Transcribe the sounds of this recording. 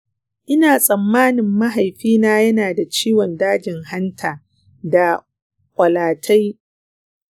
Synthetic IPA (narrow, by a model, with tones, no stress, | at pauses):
ʔɪ˦naː˨sʼɐ˨mːaː˦nɪ˨mːɐ˦ɦa˨jɸiː˦naː˦jɐ˦naː˨da˨t͡ʃiː˦wɔ˨ndaː˦d͡ʒɪ˨ŋha˦ntʰaː˨ | da˨ | kʷʼɐ˨laː˨tʰa˦j